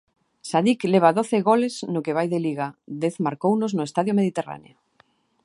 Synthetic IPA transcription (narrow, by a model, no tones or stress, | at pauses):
saðikleβ̞aðoθɪɣoleznokeβajðeliɣad̪eθmaɾkownoznʊest̪aðjomeð̞it̪era̰nḛo